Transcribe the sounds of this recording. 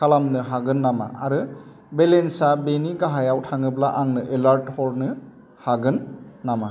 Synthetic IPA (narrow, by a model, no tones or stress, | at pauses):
kalamnɯɦaɡɯnːama̰aɾɯ | belensabeniɡaɦajawtʰaŋɯblaʔaŋnɯʔelaɾthɔɾnɯ | haɡɯnːama